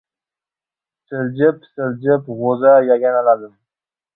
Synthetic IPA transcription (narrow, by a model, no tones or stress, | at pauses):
sɪld͡ʒɪpsɪld͡ʒɪpʁozajaɡʲanalad̪ɪm